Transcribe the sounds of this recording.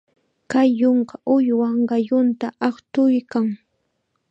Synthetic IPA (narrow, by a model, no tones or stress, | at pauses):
kajːoɴkaʔʊjwɑɴɢɑjʊnt̪aʔɑχt̪ʊjkaŋ